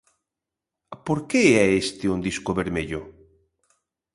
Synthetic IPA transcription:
poɾkeɛest̪eund̪iskoβeɾmeʎo

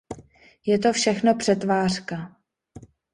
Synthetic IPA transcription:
jɛt̪o̞fʃɛxno̞pr̥ɛt̪vaːr̥ka

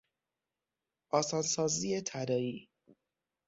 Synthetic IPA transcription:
ʔɒːsɒːnsɒːziːet̪ʰæd̪ɒːiː

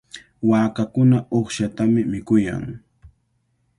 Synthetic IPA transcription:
waːkakʊnaʔoχʃat̪amɪmɪkʊja̰ŋ

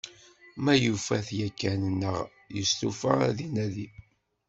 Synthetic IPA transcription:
mæjufæθjækːænənːəʁ | jəst̪ufa̰ðinæði

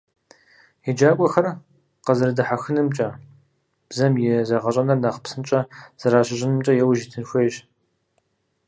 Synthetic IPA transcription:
jɛd͡ʒaːkʷʼɔxɐr | qɐzɨɾɨdɨħaxɨnɨmt͡ʃʼɐ | b̥zɐmjɛzɐʁɐɕʷʼɐnɐrnaχpsɨnt͡ʃʼɐz̥ɐɾaːɕʼɪʑʼɪnɨmt͡ʃʼɐjɛwʒitʰɨnxʷejɕ

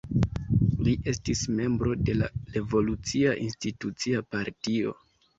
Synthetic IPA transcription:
liʔe̞stisme̞mbɾo̞de̞la̰ɾe̞vo̞lut͡siaʔinstitut͡siapaɾtio̞̰

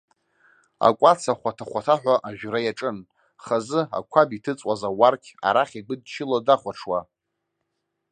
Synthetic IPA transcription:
a̰kʷʼat͡sʰaχʷatʰaχʷatʰaħᶣʷaʔaʒᶣɾajaʈ͡ʂʼɨn | χazɨa̰kʷʰabitʰɨt͡sʼwazawarkʲʰa̰ɾaχʲiɡʷɨd̚t͡ʃʰɪlodaχʷaʈ͡ʂʰwa

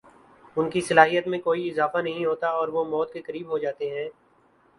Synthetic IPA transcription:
ʊnkisɐlaːɦijət̪mẽkoːiɪzaːfanɐɦĩɦoːt̪aɔːɾʋomɔːt̪̚kekɐɾiːbɦod͡ʒaːt̪eɦɛ̃ː

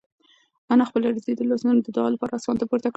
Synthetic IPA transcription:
anaxpəlaɾzed̪əlɑsnanod̪əd̪ɑlapɑɾaːsɑnt̪apoɾt̪akɽ

